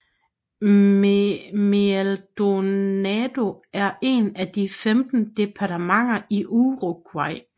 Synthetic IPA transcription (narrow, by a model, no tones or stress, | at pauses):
meld̥o̝nɛd̥o̝æɐʔe̝næd̥ifemd̥n̩d̥e̝pʰɑ̈t͡sʰemɑ̈ŋ̰ɐʔiʔuʁoɡ̥ʰwɑɪ̰